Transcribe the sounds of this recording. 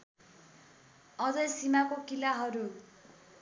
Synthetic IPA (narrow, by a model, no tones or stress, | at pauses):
ʌd͡zʌjsimakokilaɦʌɾu